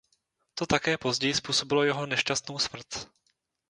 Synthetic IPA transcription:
t̪o̞t̪akɛːpo̞zɟɛjɪspuːso̞bɪlo̞jɛɦo̞nɛʃcast̪nowsmr̩t̪

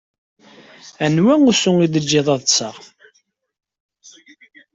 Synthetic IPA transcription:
ænwæŋusʊŋiðəd͡ʒːɪðˤɑðˤsəʁ

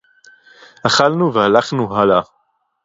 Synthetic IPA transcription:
aχalnuvehalaχnuɦala

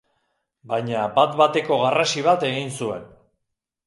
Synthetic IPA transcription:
bajɲabat̪βat̪e̞ko̞ɣarasiβ̞at̪e̞ɣinsue̞n

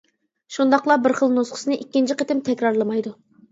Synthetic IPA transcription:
ʃund̪ɑqlˠɑbɪɾχəlˠnosqʰə̥sɨnɨʔikʲːint͡ʃʰɪqʰət̪ɪmt̪ʰɛkʲɾɑɾlˠɨmɑjd̪u

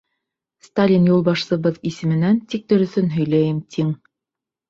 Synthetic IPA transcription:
st̪alʲinjulˠbɑʃsɤ̆βɤðisɘ̆mɘ̆nænt̪ik̚t̪ɵ̆ɾɵ̆θɵnɦɵ̆jlæjɘmt̪ʰiŋ

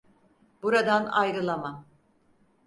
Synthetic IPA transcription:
buɾad̪anajɾɯlˠamam

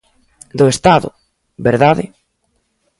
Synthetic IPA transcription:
d̪ʊest̪aðʊ̰ | beɾðaðɪ̰

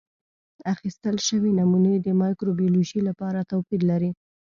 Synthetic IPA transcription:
axist̪əlʃəwinamunəjd̪əmɑjkɾobioloʒilapɑɾat̪awpid̪laɾi

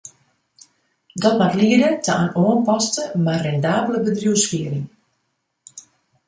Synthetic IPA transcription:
dɔtmatliədətʰəanoənpɔstəmarɛndaːbləbədrjuːskiəɾiŋ

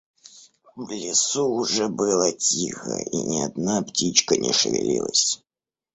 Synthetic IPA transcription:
vlʲɪsuːʐɛbɨlˠətʲixə̰ʔinʲɪɐd̪naptʲit͡ɕkənʲɪʂɨvʲɪ̰lʲḭlˠəsʲ

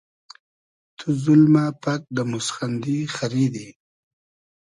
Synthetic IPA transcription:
t̪ʰuzʊlmapak̚d̪əmʊsxand̪ixaɾid̪i

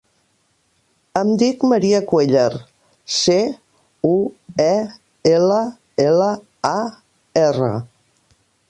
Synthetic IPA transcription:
əmd̪ikməɾiəkweʎaɾ | se | uɛ | elə | elə | a | erə̰

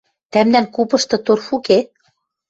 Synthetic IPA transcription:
t̪æmnæŋkupɤ̆ʃt̪ɤ̆t̪orfuke

